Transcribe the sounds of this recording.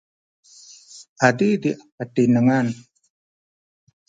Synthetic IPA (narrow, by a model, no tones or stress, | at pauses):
ʔadid̪iʔ | aʈinəŋan